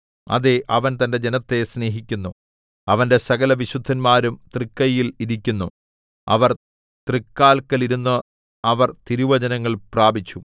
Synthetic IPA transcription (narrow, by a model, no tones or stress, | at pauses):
ɐ̰ðeʔɐʋɐnt̪ɐnde̞d͡ʑe̞nɐt̪ːe̞sne̞ːɦikʲːunːu | ɐʋɐnde̞sɐɣɐlɐʋiɕud̪ʱːɐnmaːɾumt̪rikːɐjiliɾikʲːunːu | ɐ̰ʋɐr | t̪rikːaːlkːɐliɾunːu | ɐʋɐrt̪iɾuʋɐd͡ʑɐnɐŋːɐɭpraːbit͡ɕːu